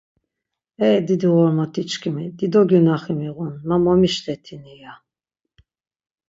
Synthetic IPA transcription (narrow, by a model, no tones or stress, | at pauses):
ɛːd̪id̪iʁɔɾmat̪ʰit͡ʃkʰimid̪id̪ɔɡynaχimiʁunmamɔmiʃt̪ʰɛt̪ʰinija